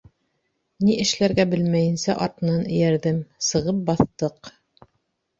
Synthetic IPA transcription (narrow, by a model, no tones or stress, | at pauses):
niʔɘ̆ʃlæɾɡæbɘlmæjɘ̆nsæʔɑɾt̪ɤ̆nɑnɘ̆jæɾðɘmsɤ̆ʁɤp̚bɑθt̪ɤq